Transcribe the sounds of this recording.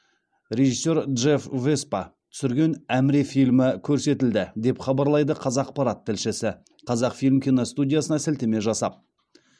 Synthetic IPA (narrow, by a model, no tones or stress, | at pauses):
ɾʲe̞ʒisːo̞ɾd̪ʒe̞fvespɑt̪ʰʏ̥sɪɾɡʲe̞næmɾefijlmɪkʲʰɵɾse̞t̪ɪld̪ɪd̪e̞pχɑbɑɾlˠɑjd̪əqʰɑzɑq̚pɑɾɑt̪ʰːɪlʃɪsɪ | qʰɑzɑqfilmkʲijnost̪udʲijasənɑsɪlt̪eme̞ʒɑsɑp̚